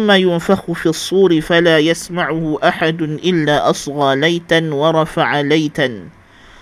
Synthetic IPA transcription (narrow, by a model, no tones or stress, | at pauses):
amːaːjʊnfaxʊfiːɑsˤːuːɾɪfalaːjasmaʕʊhʊʔaħad̪ʊʔɪlːaːʔɑsˤɣɑːlajt̪anwɑɾˤɑfaʕalajt̪an